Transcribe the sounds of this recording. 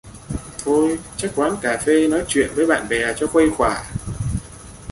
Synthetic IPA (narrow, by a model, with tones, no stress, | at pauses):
t̪ʰo˧jt͡ɕa˦˥k̚kwaː˨˦nkaː˨˩fe˧nɔ˨˦jt͡ɕwḭ˧˨ənvəː˨˦jɓa̰ː˧˨nɓɛ˨˩t͡ɕɔ˧xwə˧jxwaː˧˩